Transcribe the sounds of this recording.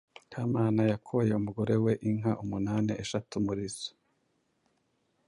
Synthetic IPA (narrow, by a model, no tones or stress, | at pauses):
kʰaːmaːnajakʰoje̞umuɡo̞ɾe̞we̞ʔiŋɦaʔumunaːniʔeʃatumuɾizo̥